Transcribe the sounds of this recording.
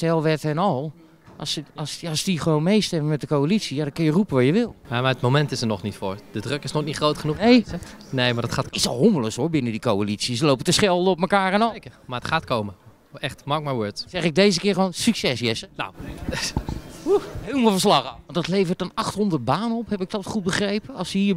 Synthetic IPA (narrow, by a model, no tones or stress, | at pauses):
stɛlˠʋɛtɛnɔlˠ | ʔsssdixəʋoːnmejstɛməmɛt̚dəkoalit͡sijadɔkɪnjərupəʋɔjəʋɪlˠjamaətmomɛntɪsənɔχnitfoɹd̥ədrøkɪsnonitχrowtχənuej | nejmadɔtχaːtɪtsɔlˠɦoməlˠəsoɹbɪnədikowalit͡sisəlowpətəsχɛlˠdəɔpməkaːrɛnɔkəmaətχaːtkowmə | ɛxtmɑk̚maʋøtsɛχɪɡ̚dejzəkɪːɹχəʋoːnsyksɛsjɛsəna̰w | uɦejlˠmɔlˠfəɹslɑχaɑndɔtlejvərtɔnɑχtɦɔndət̚baːnəɔphɛpɪk̚tɔtχut̚bəχrejpəɑlˠsəhiːɹ